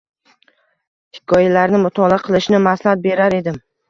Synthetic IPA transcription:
t̪ʰɪ̥kʰːɒjalaɾnɪmʊt̪ʰɒlˠaqʰɨlˠɪʃnɪmaslat̪̚be̞ɾaɾe̞d̪ɪm

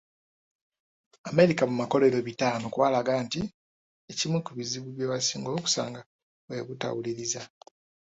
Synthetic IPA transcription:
ame̞ɾikamumako̞le̞ɾo̞βitaːno̞kwaːlaɡaːnti | ecimukuβiziβuβjoːβasiːŋɡooku̥sa̰ːŋɡa | weβuta̰wuliɾiza

